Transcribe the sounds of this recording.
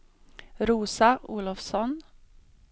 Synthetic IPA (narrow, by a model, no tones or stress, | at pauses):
ɾuːsɑʔuːlʊfsɔn